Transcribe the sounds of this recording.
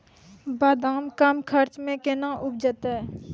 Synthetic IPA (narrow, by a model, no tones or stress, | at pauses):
baːd̪aːmkəmkʰəɾt͡ʃmẽkenãːʔʊp̚d͡ʒət̪ɛː